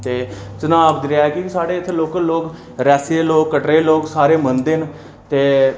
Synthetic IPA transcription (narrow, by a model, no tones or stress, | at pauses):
t̪eːt͡ʃənaːʋd̪ɾɪaːkiksaːɽeːɪt̪ʰːloːkəloːk | ɾɛːseːloːkːəʈɾeːloːksaːɾeːmənd̪en | t̪eː